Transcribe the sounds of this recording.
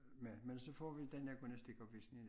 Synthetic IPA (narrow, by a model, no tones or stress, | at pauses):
memensefoːʋit̪ænekunest̪ikopisnin